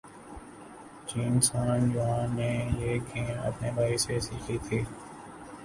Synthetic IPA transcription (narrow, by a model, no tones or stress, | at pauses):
t͡ʃiːnsaːnjʊɦãneːjeːkʰẽːnɐ̰pnebʱaːisesiːkʰiːt̪ʰiː